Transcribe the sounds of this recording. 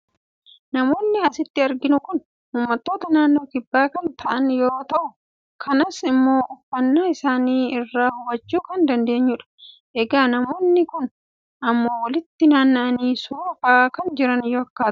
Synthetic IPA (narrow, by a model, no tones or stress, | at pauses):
nɐmo̞ːnːɪɐsɪt̪ːɪɐɾɡɪnʊkʊn | huːmːɐt̪ːo̞ːt̪ɐnaːnːo̞ːkɪbːaːkɐnt̪ʰɐʔɐnjo̞ɾoːt̪ɐʔʊ | kʰɐnɐsɪmːo̞ːʔʊfːɐnːaːɪsaːniːɪrːaːhʊbɐd͡ʒːuːkɐnd̪ɐnd̪e̞ːɲːʊᶑɐ̥ | ʔɛɡaːnɐmo̞ːnːɪkʊn | ɐmːo̞ːwɐlɪt̪ːɪnaːnːɐʔɐniːsʊɐfakɐnd͡ʒɪɾɐnjɔɐkːḁː